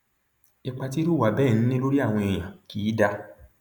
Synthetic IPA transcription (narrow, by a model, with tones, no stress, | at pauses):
i˧k͡pa˧ti˦ɾu˦˨wa˨bɛː˦˨ñ̩˨˦nĩ˦lo˦ɾi˦a˦˨w̃ɔ̃˧e˨j̃ã˨kiː˨˦da˧